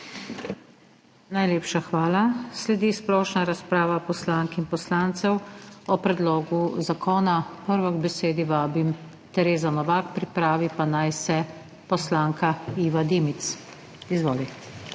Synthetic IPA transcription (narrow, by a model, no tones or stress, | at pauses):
najleːpʃaxʋaːlaslɛd̪isplɔːʃnaɾaspɾaːʋapɔslaːŋkinpɔslaːnt̪sɛwɔpɾɛd̪loːɡuzakʰɔːnapəɾʋɔɡbɛseːd̪iʋaːbim | t̪ɛɾeːzanɔʋakpɾipɾaːʋipanajsɛ | pɔslaːŋkaiːʋad̪imit̪s | izʋoːli